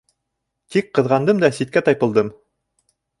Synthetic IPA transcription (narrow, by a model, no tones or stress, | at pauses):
t̪ik̚qɤ̆ðʁɑnd̪ɤmd̪ɑsit̪̚kæt̪ɑjpɤ̆lˠd̪ɤm